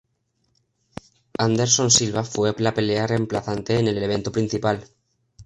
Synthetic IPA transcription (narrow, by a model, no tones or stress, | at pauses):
and̪e̞ɾsõ̞nsilβafwelape̞leare̞mplaθant̪e̞ːne̞leleβẽ̞nt̪opɾin̟θipal